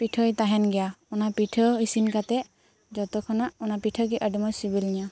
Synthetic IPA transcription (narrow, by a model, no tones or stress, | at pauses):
piʈʰɔjt̪aɦɛnɡɛjaɔnapiʈʰɔisinkat̪ɛʔ | d͡ʒɔt̪ɔkʰɔnaʔɔnapiʈʰɔɡiʔaɖimɔsibiliɲa